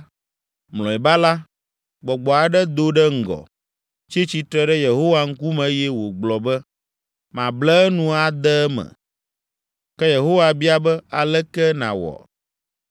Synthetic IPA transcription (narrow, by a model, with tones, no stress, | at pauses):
mlɔ̃˨ɛ˨ba˦la˦ | ɡ͡bɔ˨ɡ͡bɔ˨a˨ɖɛ˦d̪o˦ɖɛ˦ŋ̩˨ɡɔ̰˨ | t͡ʃi˦t͡ɕi˨t̪ɾɛ˦ɖɛ˦je˨ɦo˦wa˦ŋ̩˦ku˦mɛ̃˨˦jɛ˦wo˨ɡ͡blɔ˨bɛ˦ | mã˨blɛ˦nũ˦a˨d̪ɛ˦mɛ̰̃˨ | kɛ˦je˨ɦo˦wa˨bi˦a˦bɛ˦a˨lɛ˦kɛ˦nã̰˨wɔ̰˨